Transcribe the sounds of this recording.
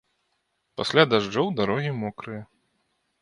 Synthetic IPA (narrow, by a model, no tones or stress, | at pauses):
pasʲlʲad̪aʐd͡ʐɔwd̪aɾɔɣʲimɔkɾɨjɐ